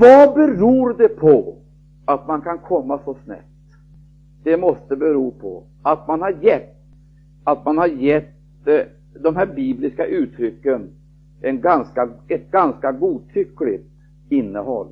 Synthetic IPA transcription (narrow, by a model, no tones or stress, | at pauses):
vɑbɛɾuːɾd̪ɛpʰɔ | at̪̚mankʰankʰɔmːasɔsnɛ̰pt̪ | d̪̥ɛmɔst̪əbɛɾuːpʰɔ̰ | at̪manhaɾjɛt̪ː | at̪manhaɾjɛt̪ | d̪ɔmɦæːɾbiːblɪskaʔʉ̟ːt̪ʰɾʏkːən | ʔɛnɡanskaɛt̪̚ɡanskaɡuːt̪ʰʏkːlɪ̰t̪ | ɪnːəhɔ̰lː